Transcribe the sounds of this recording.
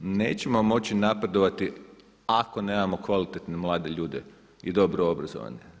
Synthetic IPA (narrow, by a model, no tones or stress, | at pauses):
ne̞̰ːt͡ɕe̞mo̞mo̞t͡ɕinapɾe̞d̪o̞ʋat̪i | ako̞neːmamo̞kʋalit̪et̪nemlˠaːd̪e̞ʎuːd̪e | id̪o̞bɾoobɾazo̰ʋa̰ɲe